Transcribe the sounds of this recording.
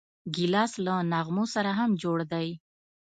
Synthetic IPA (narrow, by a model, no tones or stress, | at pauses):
ɡilɑslanaɣmosaɾaɦamd͡ʒoɽd̪aj